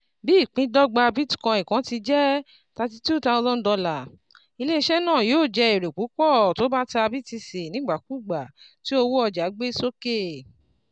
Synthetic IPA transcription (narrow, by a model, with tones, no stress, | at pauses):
bi˦i˦˨k͡pĩ˨˦dɔ˦ɡ͡ba˧bi˦tu̥˦kã˧i˨kã˨˦ti˧d͡ʒɛ˦ | ta˧ti˦tu˦ta˧o˧zɔ̃˦n̩˦dɔ˧la˨ | i˧le˦i˧ʃɛ˦nãː˦˨joː˦˨d͡ʒɛ˧i˨ɾe˨ku˨˦kɔ˦˨to˦ba˦ta˧a˧bi˦ti˧se˨nĩ˨˦ɡ͡ba˨ku˦˨ɡ͡ba˨ | ti˦o˧wo˦ɔ˧d͡ʒa˨˦ɡ͡be˦so˦ke˦